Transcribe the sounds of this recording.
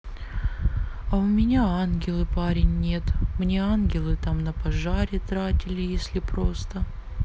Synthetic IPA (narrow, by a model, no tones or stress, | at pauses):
ɐʊmʲɪnʲaanɡʲɪlˠɨpaɾʲɪnʲːe̞t̪mnʲe̞anɡʲɪlˠɨt̪amnəpɐʐaɾʲɪt̪ɾatʲɪlʲɪjesʲlʲɪpɾo̞st̪ə